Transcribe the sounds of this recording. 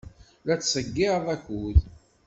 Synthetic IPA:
læt͡sːsəɡːɪðˤæçuð

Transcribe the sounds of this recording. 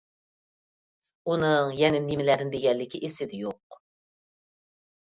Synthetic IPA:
unɨŋjɛnɪnimɪlæɾɪnd̪eɡʲɛllːɪkʲɪʔesɪd̪ɪjoq

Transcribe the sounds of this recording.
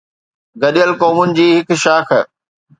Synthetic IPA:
ɡɐɗijəlkoːmʊnɪ̆d͡ʑiːɦɪkʃaːkʰ

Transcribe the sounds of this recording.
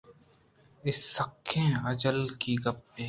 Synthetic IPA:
ɪsːɐkʰːẽːɐd͡ʒəlkiɡɐpːe

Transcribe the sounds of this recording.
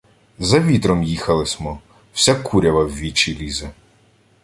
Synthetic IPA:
zɐʋʲit̪ɾɔmjixɐlˠɪsʲmɔ | w̥sʲakʰuɾʲɐʋɐwʲʋʲit͡ʃilʲizɐ

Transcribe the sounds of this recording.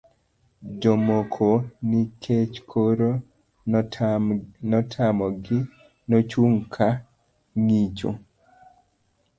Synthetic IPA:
d͡ʒomokʰonikʰet͡ʃkʰoɾo | nɔtʰamɔɡɪ | not͡ʃuŋkʰa | ŋit͡ʃo̰

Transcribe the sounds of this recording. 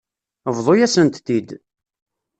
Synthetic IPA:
əvðˤojæsənt̪θid̪

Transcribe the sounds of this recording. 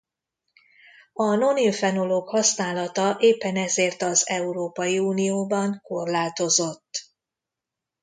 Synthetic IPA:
ɒno̞nilfɛnoloɡhɒsnaːlɒt̪ɒʔeːpːɛnɛzeːrt̪ɒzɛuɾoːpɒjiuːnijoːbɒŋko̞rlaːt̪o̞zo̞t̪ː

